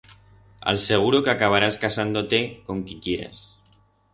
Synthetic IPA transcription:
a̰lseɣ̞uɾokakaβ̞aɾaskasand̪ot̪ekoŋkikjeɾḛs

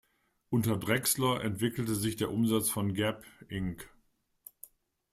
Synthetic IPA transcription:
ʔʊntɐdʁɛkslɐʔɛntv̥ɪkl̩təzɪçd̥eːɐʔʊmzat͡sfɔnɡɛpʔɪŋk

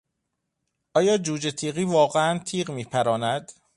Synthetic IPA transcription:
ʔɒːjɒːd͡ʒuːd͡ʒet̪ʰiːɣiːvɒːɣeænt̪ʰiːɢmiːpʰæɾɒːnæd̪̥

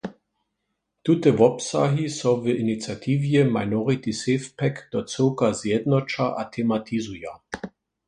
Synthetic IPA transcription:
t̪ut̪əʋɔpsaɦisɔvəʔinit͡sjat̪ʰiːvjɛmaɪnɔʁit̪isefpʰɛkd̪̥ɔt͡səʊkɐzjɛd̪nɔt͡ʃaʔat̪ʰɛmat̪ʰizuja

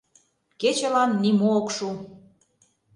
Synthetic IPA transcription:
ket͡ɕə̆lɑnːimookʃu

